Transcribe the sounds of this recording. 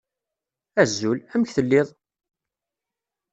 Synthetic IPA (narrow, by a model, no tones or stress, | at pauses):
æzːʊlæməçθəlːɪðˤ